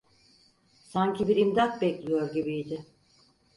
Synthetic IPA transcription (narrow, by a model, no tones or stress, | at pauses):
saɲcʰibiɾimd̪at̪̚bɛclʲijo̞ɾɟibijd̪ɪ